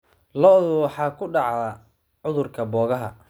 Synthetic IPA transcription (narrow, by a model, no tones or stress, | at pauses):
lɔːðʊwɑħɑːkʰʊɖɑʕðɐ | ʕʊðʊrkʰɐbɔːɣɐɦɐ̰